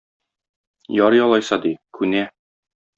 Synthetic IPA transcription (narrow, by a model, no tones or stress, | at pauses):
jɒɾjɒlˠɑjsɑd̪ikʉnæ